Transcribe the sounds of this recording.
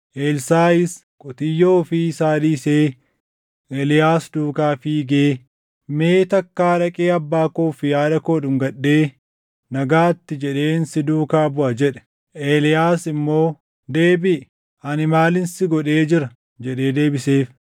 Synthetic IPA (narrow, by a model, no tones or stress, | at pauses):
ʔeːlsaːɪs | kʼɔt̪ɪjːoːfɪsaːd̪iːseː | ʔɛlɪjaːsd̪uːkaːfiːɡeː | me̞ːt̪ɐkːaːᶑɐkʼeːɐbːaːkoːfɪjaːdɐkoːᶑʊŋɡɐɗːeː | nɐɡaːt̪ːɪd͡ʒɛᶑe̞ːnsɪd̪uːkaːbʊʔɐd͡ʒɛᶑɛ̥ | ʔeːlɪjaːsɪmːo̞ː | d̪e̞ːbɪ | ɐnɪmaːlɪnsɪɡɔᶑe̞ːd͡ʒɪɾɐ | d͡ʒɛᶑe̞ːd̪e̞ːbɪseːf